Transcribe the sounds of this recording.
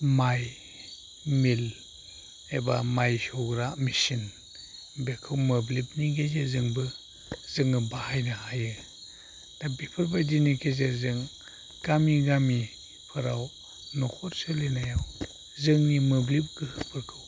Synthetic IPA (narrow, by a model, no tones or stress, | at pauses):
maj | mil | ebamajsɔɡɾamisin | bekʰɯwmɯblip̚niɡezezɯŋbɯ | zɯŋɯbahajnɯhajɯ | d̥abipʰɯɾbajdinikʰezezɯŋ | ɡ̥amiɡami | pʰɯɾaw | nɔkʰɔɾsɯlenajaw | zɯŋnimɯblip̚ɡɯhɯpʰɯɾkʰɯw